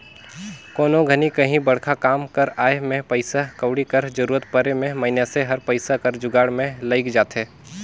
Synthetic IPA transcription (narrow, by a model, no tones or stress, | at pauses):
koːnõɡʱɐnikɐɦĩbɐɽ̤kʰakaːmkɐɾaːemẽpɐɪsakəʊɽikɐɾd͡ʒɐɾuːɾət̪pɐɾemẽmɐɪneseɦɐɾpəɪsakɐɾd͡ʒʊɡaːɽmẽlɐɪkd͡ʒaːt̪ɦɛː